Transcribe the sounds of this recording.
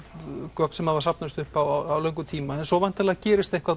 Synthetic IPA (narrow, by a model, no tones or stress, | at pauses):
kœk̚nsɛmhaðvaɾsap̚nast̪ʏhpawawlœɥŋk̬ʏt̪ʰiːmaɛnsɔvajn̥t̪alɛːɣcɛːɾɪst̪ehkva